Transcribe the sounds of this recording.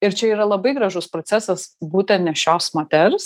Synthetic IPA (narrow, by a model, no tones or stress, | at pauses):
ɪɾt͡ʃʲɛiːɾɐlˠɐbɐɪɡɾɑʒʊspɾot̪sʲæːsɐsbuːt̪ʲɛnnʲɛʃʲoːsmɐt̪ʲɛɾs